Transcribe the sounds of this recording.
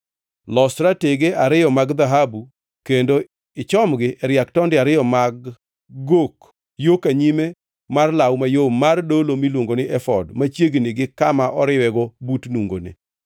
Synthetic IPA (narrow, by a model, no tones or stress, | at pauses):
lɔstɾateɡeʔaɾɪjɔmaɡd̪aɦabu | kendo | ɪt͡ʃɔmɡɪʔɛɾjaktɔndɪaɾɪjɔmaɡː | ok | jokaɲime | marlawmajoːardolomilwoŋɡonɪʔɛfɔdmat͡ʃjeɡnɪɡɪkamaʔɔɾɪwɛɡɔbutnuŋɡo̰nḛ